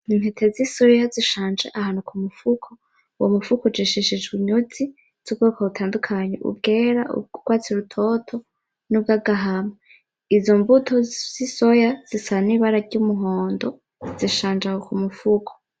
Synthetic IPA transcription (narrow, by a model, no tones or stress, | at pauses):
imhetʰezisuɾijaziʃaːnd͡ʒḛʔahaːnokumufukʰo | womufukod͡ʒiʃiʃid͡ʒɡwiɲuzi | z̥ub̚ɡoːkʰaβutʰaːndukʰaɲḛʔṵb̚ɡeːɾaʔṵuɡwaːt͡siɾutʰotʰo̞ | nub̚ɡaɡaɦama | izombutʰoz̥isojaz̥isaniβaɾaɾɟumuɦoːndo̞ | z̥iʃaːnd͡ʒahokumufukʰo̥